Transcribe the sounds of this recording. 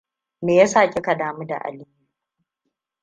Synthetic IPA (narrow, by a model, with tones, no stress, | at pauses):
meː˨ja˦saː˨kʲe˦ka˨daː˨mu˦da̰˨ʔa̰˨li˦